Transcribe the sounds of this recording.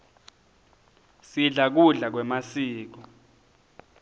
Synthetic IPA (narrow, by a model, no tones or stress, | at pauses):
siɮak̬uɮak̬wɛmasiːk̬ɔ